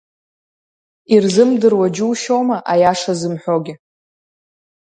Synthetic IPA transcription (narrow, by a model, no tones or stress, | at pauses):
irzɨmdɨrwad͡ʒuwʃomaʔajaʂazɨmħʷᶣoɡʲɪ